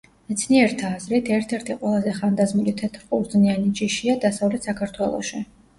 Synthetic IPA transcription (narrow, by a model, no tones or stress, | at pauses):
mɛt̪sʰniɛɾt̪ʰaːzɾɛt̪ʰɛɾt̪ʰɛɾt̪ʰiqʼwɛlˠazɛχand̪azmulit̪ʰɛt̪ʰɾqʼuɾd̪znianit͡ʃʼiʃiad̪asavlɛt̪ʰsakʰaɾt̪ʰwɛlˠɔ̰ʃi